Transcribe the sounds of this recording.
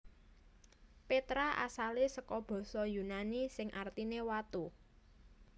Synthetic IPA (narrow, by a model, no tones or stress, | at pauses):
pet̪ɾaʔa̰salesəkɔb̥ɔ̤sɔjunanisɪŋʔart̪inewat̪u